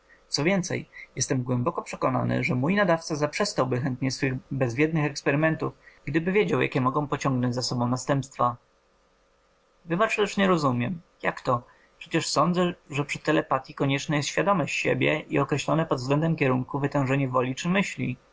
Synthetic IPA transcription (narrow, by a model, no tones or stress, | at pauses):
t̪sɔvʲjɛnt̪sɛ̰jjɛst̪ɛmɡwɛmbɔkɔpʂɛkɔna̰nɘ̰ʐɛmujnad̪aft̪sazapʂɛst̪awbɘxɛnt̪ɲɛsfɘɣbɛzvʲjɛd̪nɘxɛkspɛɾɘmɛnt̪ufɡ̥d̪ɘbɘvʲjed͡ʑawja̰kʲɛmɔɡɔ̃w̃pɔt͡ɕɔ̃ŋɡnɔ̃ɲd͡ʑʲzasɔbɔ̃w̃nast̪ɛmpst̪fa | vɘbat͡ʂt̪ɛʂɲɛɾɔzumʲjɛm | jakt̪ɔ | pʂɛt͡ɕɛʂsɔnd̪zɛʐɛpʂɘ̥t̪ɛlɛpat̪ʲjikɔɲɛt͡ʂnɛjɛst̪ɕfʲjad̪ɔmɔɕɕebʲjɛ̰ʔḭɔkɾɛɕlɔnɛpɔd̪vzɡlɛnd̪ɛmkʲɛɾuŋkuvɘt̪ɛ̃w̃ʐɛɲɛvɔlʲit͡ʂɘmɘɕlʲḭ